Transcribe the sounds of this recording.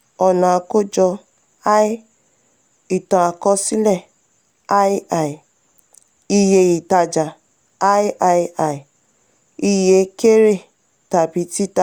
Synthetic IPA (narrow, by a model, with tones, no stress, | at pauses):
ɔ˨nã˨a˧ko˦d͡ʒɔ˧ | a˦i˦ | i˦˨tã˨a˨kɔ˧˦si˦lɛ˦˨ | a˦a˨i˨ | i˧je˧ji˨ta˧d͡ʒa˨ | a˦i˦ʔa˧ja˨i˨ | i˧je˧ke˦ɾe˦˨ | ta˨bi˨˧˦ti˦ta˧˨